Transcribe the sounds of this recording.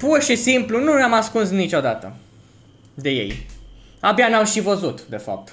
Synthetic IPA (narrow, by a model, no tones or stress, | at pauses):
purʃisimplununeamaskunsnit͡ʃo̞d̪at̪ə̰ | d̪e̞je̞̰j | abjanamʃivəzut̪d̪e̞fa̰p̚t̪